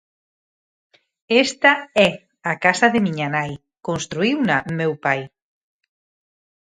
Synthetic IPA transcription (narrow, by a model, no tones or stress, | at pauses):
est̪ɐɛ | akasɐðɪmiɲanaj | konst̪ɾuiwnamewpaj